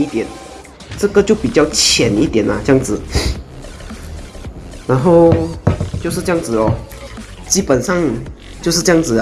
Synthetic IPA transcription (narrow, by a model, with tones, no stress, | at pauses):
i˥˩t̪jɛ˨˩˦n | ʈ͡ʂɤ˥˧ɡə˧t͡ɕjo˥˩ʊpi˨˩t͡ɕjɑ˥˩ʊt͡ɕʰjɛ˨˩˦ni˥t̪jɛ˨˩nɐ˨t͡ɕjɑ˥˩ŋd͡zɹ̩˨˩ | na˧˥nxo˥˧ʊ | t͡ɕjʂɻ̩˥˧ʈ͡ʂɤ˥jɑ˥˩ŋd͡zɹ̩˨˩ɔ˧˩ | t͡ɕi˥pə˨˩nʂɑ˥˧ŋ | t͡ɕjo˥˧ʊʂ̬ɻ̩˥˧ʈ͡ʂɤ˥jɑ˥ŋt͡sɹ̩˨˩